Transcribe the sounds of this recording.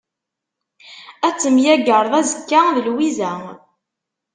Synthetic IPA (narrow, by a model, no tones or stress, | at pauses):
æt͡sːəmjæɡəɾˤðˤæzəkːæðəlwizæ